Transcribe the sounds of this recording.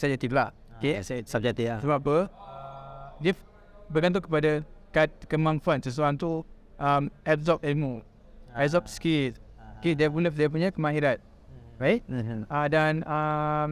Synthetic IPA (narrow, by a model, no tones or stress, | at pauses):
sad͡ʒat̪iflaʔ | kessab̚d͡ʒɛk̚t̪iasəbapə | dif | bəɡant̪ɔkəpadakat̪̚kəmãŋfãnsəs̬uɾaŋt̪u | amɛp̚zɔk̚ɛlmu | ɛzɔk̚skiskidɛpulɛfdep̬uɲakəmãhiɾat̪̚ | ɹait̚adana